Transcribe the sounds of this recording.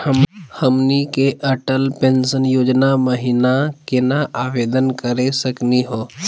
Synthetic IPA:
həmnikeʔəʈəlpẽːnsənjoːd͡ʒnaməɦinakenaʔaːʋeːd̪ənkəɾesəkniɦoː

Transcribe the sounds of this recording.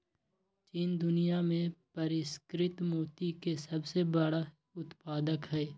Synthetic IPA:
t͡ʃiːnd̪ʊnijamẽpɐɾɪskɾɪt̪moːt̪ikesɐbsebəɽa | ʊt̪paːd̪əkɦɛː

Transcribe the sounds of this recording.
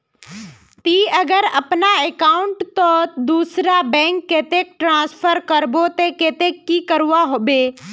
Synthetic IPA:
t̪iəɡəɾɐpnaekaːʊ̃ɳʈt̪od̪uːsɾabɛ̃ːŋkːeːt̪ek̚ʈɾãːspʰəɾkəɾbot̪ekeːt̪ekːikəɾuaɦoːbeː

